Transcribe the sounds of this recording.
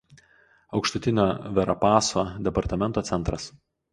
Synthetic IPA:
ɒʊkʃt̪ʊt̪ʲɪnʲoːʋʲɛɾɐpɑːsoːd̪ʲɛpɐɾt̪ɐmʲɛnt̪oːt̪sʲɛnt̪ɾɐs

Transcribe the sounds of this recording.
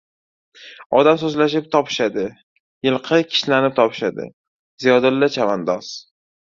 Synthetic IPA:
ɒd̪amsɵzlaʃɪp̚t̪ʰɒpʰɪ̥ʃad̪ɪ | jɪlˠqʰɨkʲʰɪ̥ʃlanɪp̚t̪ʰɒpʰɪ̥ʃad̪ɪ̰ | zijɒd̪ɪlːat͡ʃʰavand̪ɒs

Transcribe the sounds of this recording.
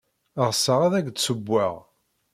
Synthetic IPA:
ʁsəʁaðæɡt̪səbːaʁ

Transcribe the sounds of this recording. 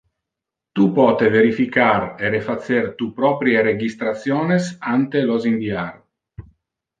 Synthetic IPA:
t̪upɔːt̪eveɾifikareɾefat̪sːert̪upɾɔpɾjeɾed͡ʒist̪ɾat̪sːjɔːnesant̪elozinviar

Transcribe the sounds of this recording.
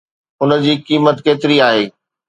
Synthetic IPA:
ʊnə̆d͡ʑiːkiːmət̪keːt̪ɪɾiaːɦeː

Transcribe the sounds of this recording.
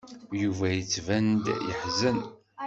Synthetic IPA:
juvæjət͡sːvænd̪jə̰ħzən

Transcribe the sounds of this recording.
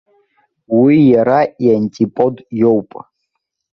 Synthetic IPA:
wijaɾaianʲtʲʼipʼod̪jowpʼ

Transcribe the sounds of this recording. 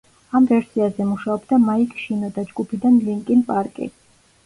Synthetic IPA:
amvɛɾsiazɛmuʃaɔbd̪amaikʰʃinɔd̪ad͡ʒɡupʰid̪anliŋkʼinpʼaɾkʼḭ

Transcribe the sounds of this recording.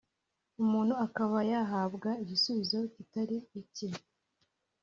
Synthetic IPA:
umuːnhuakaβajaɦabɡaiɟisuβizo̞citaɾiːci

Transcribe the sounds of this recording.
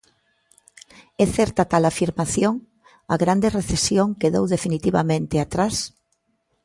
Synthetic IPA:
ɛθɛɾt̪at̪alafiɾmaθjoŋ | aɣɾand̪ereθesjoŋkeðowðefinit̪iβamẽnt̪ɪat̪ɾas

